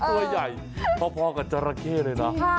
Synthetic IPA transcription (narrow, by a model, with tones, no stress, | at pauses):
ku˧ɐja˨˩j | pʰɔ˧˥pʰɔː˧ka˨˧˩t͡ɕa˧˩ɾa˧kʰeː˥˩lɤː˧jna˦˥